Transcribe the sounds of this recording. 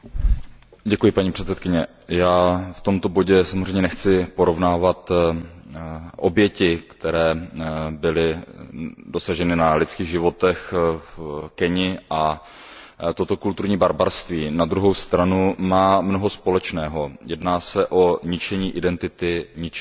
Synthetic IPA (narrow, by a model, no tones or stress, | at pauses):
ɟɛkujɪpaɲiːpr̥ɛt̪t͡ssɛt̪kɪɲɛ | jaːft̪o̞mt̪o̞bo̞ɟɛsamozr̝eɛjɲɛnɛxt͡sɪpo̞ɾo̞vnaːvat̪ | ʔo̞bjɛcɪkt̪ɛɾɛːbɪlɪ | do̞saʒɛnɪnalɪt͡skiːɣʒɪvo̞t̪ɛxfkɛɲɪʔa | t̪o̞t̪o̞kult̪uɾɲiːbaɾbaɾst̪viːnad̪ɾuɦo̞wst̪ɾanumaːmnoɦospo̞lɛt͡ʃnɛːɦo̞jɛdnaːsɛʔo̞ɲɪt͡ʃɛɲiːʔɪdɛnt̪ɪt̪ɪɲɪt͡ʃ